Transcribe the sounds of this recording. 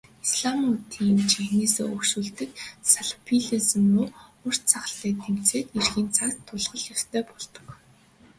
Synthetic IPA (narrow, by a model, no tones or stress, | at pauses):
isɮamut̪ʰiːmt͡ɕexneːsḛːɵkʃuːɮt̪ɘ̆ksaɮʊ̥pʰiɮisɘ̆muːɵr̥t̪t͡sʰaχə̆ɬiːt̪ʰem̥t͡seːt̪erxiːnt͡sʰakt̪ʰːʊɮʁə̆ɮjast̪ʰœːpɔɮt̪ɞ̥̆k